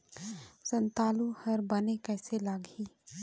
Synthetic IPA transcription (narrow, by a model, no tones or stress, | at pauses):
sə̃nt̪aːluhɐɾbənekɛːselaːɡiː